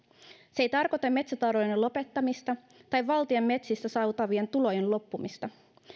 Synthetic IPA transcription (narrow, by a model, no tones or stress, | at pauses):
sejt̪ɑrko̞t̪emːe̞t̪sæt̪ɑrɾojnelo̞pe̞t̪ːɑmist̪ɑ | t̪ɑjʋɑlt̪iemːe̞t̪sist̪æsɑwt̪ɑʋie̞nt̪ulo̞jenllo̞pːumist̪ɑ